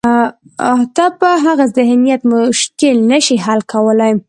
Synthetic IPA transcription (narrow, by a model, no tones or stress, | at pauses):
at̪apəɦaɣazɪɦnijat̪mʊʃkɪlnaʃiɦalkawəlajm